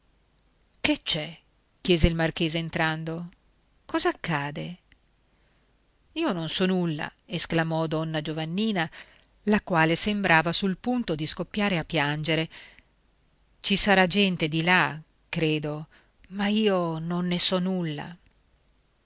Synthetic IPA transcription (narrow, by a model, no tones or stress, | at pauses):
ket͡ʃːɛ | k̟jɛːzeilmark̟eːzeːnt̪ɾand̪o | kɔːzaːkːaːd̪e | iːononsɔnulːa̰esklamɔd̪ɔnːad͡ʒovanːiːna | lakwaːlesembɾaːvasulpunt̪od̪iskopːjaːɾeapːjand͡ʒeɾe | t͡ʃisaɾad͡ʒɛnt̪ed̪ila | kɾeːd̪o | maiːononːesɔnulːa̰